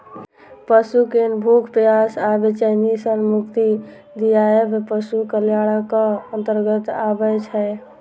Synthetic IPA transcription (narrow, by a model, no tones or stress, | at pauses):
pəsukenbʱukʰpɾəjasabet͡ʃənisənmukt̪i | d̪ijaebepəsukəljaɽəkəənt̪əɾɡət̪a̰bət͡ʃʰɛj